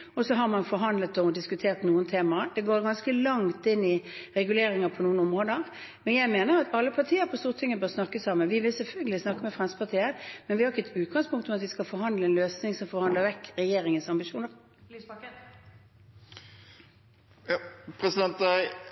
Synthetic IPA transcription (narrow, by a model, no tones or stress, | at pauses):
ɔsɔɦɑɾmɑnfɔɾɦɑnd̪lət̪ɔd̪ɪskʉt̪ʰeːʁt̪nuːənt̪ʰeːmɑd̪ɛɡoːɾɡɑnskəlɑŋt̪ɪnːɪɾɛɡʉleːɾɪŋɑpʰɔnuːənɔmʁoːd̪əʁ | mɛnjæɪmeːnəɾɑt̪ɑlːəpʰɑʁt̪ʰiːəɾpʰɔst̪uːʁt̪ʰɪŋːəbøːʁsnɑkːəsɑmːənʋɪʋɪlsɛlfœlɡəlɪsnɑkːəmɛfʁɛnsəpʰɑʁt̪ʰiːəmɛnʋɪhɑɾɪçːɛt̪ʉːt̪̚ɡɑŋspʰʊŋkt̪ɔmɑt̪ʋɪskɑlfɔɾɦɑnd̪ləɛnløːsnɪŋsɔmfɔɾhɑnd̪ləɾʋɛkːɾɛjeːɾɪŋənsɑmbɪʃuːnəʁ | pʰɾɛsɪd̪ɛnt̪æɪ